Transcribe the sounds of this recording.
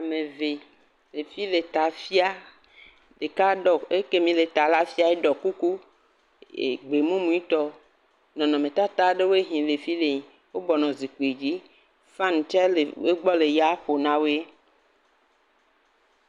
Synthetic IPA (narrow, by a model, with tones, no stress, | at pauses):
a˨mẽ˨ve˨ | le˨fi˦le˨t̪a˨fi˦a˦ | ɖe˨ka˦ɖɔ˨e˦ke˦mĩ˨le˨t̪a˨la˦fi˦a˦e˦ɖɔ˨ku˦ku˦ | ḛ˨ɡ͡be˨mũ˦mũ˦i˦t̪ɔ˦ | nɔ̃˨nɔ̃˨mẽ˨t̪a˦t̪a˦ɖe˦wo˦e˦ɦĩ˨le˨fi˦le˨ɲ˨ | wo˦bɔ˨nɔ̃˨zi˨k͡pe˨d͡ʑi˦ | fã˦n˨t͡ʃɛ˦le˨we˦ɡ͡bɔ˦le˨ja˦ɸo˨nã˦we˦